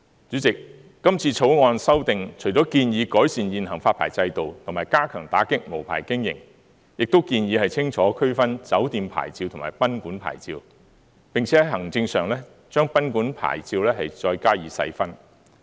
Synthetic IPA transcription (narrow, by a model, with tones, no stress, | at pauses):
t͡ʃyː˨˥t͡sɪ˨kː | ɐ˥mt͡sʰiː˧t͡sʰo˨˥wŋɔː˧nsɐ˥wt̪ɪ˨ŋt͡ʃʰɵ˨˩ɥt͡sɔː˨˥kiː˧njiː˨˧kɔː˨˥jsiː˨njiː˨nhɐ˨˩ŋfaː˧t̚pʰa̰ː˨˩jt͡sɐ˧jt̪o˨wt̪ʰʊ˨˩maː˨˩jkaː˥kʰœː˨˩ŋt̪aː˨˥kɪ˥k̚mo˨˩wpʰa̰ː˨˩jkɪ˥ŋjɪ̰˨˩ŋ | jɪ˨k̚t̪o˥wkiː˧njiː˨˧hɐ˨jt͡sʰɪ˥ŋt͡ʃʰɔː˨˥kʰɵ˥ɥfɐ˥nt͡sɐ˨˥wt̪iː˨mpʰa̰ː˨˩jt͡siː˧wt̪ʰʊ˨˩maː˨˩jpɐ˥nkuː˨˥npʰa̰ː˨˩jt͡sḭː˧w | pɪ˨ŋt͡sʰɛː˨˥˧ɦɐ˨˩ŋt͡sɪ˧ŋsœː˨ŋlɛː˥ | t͡ʃœː˥ŋpɐ˥nkuː˨˥npʰa̰ː˨˩jt͡siː˧wlɛː˥hɐ˨jt͡ʃɔː˧jkaː˥jiː˨˧˥sɐ̰˨˥jfɐ˥n